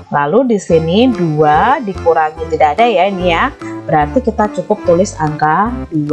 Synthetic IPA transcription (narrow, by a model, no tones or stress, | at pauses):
laludisiniduadikuɾaɡit̪idaːdajainijab̥əɾart̪ikit̪at͡ʃukʊp̚t̪ulɪsaŋkadua